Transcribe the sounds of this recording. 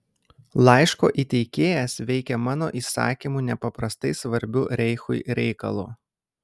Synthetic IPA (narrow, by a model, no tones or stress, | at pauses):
lˠɑˑɪʃko̰ːʔiːt̪ʲɛɪkʲeːjɛsʋʲɛɪkʲɛmɑːno̰ːʔiːsɑ̰ːkʲimuːˑnʲɛpɐpɾɐst̪ɐɪsʋɐɾʲbʲuːɾʲɛɪxʊ̰ɪɾʲɛɪkɐ̰lˠṵː